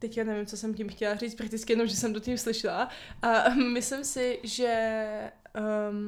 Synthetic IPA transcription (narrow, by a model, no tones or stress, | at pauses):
t̪ɛckanɛvɪmt͡sosɛmcimxcɛlar̝iːt͡st̪pɾakt̪ɪt͡skɪjɛno̞mʒɛsɛmt̪ocimslɪʃɪlaʔamɪslɪmsɪʒɛ